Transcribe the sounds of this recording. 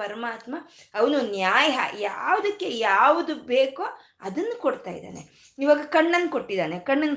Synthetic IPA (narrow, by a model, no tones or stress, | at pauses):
ɐɾɐmaːt̪mɐ | ɐʋɐnunjaːjɐɦɐ̰jaːʋɐd̪ɐkːe̞jaːʋud̪ubeːko | ɐd̪ɐnːukoɽt̪a̰ːjid̪a̰ːne | iʋaːɡɐkɐɳːɐnːkoʈːid̪aːnekɐɳːɐnː